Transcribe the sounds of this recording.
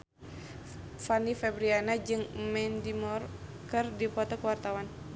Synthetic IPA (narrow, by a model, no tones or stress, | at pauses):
fanifɛbɾianad͡ʒɨŋmɛndimɔrkɨrdipɔt̪ɔkuwart̪awan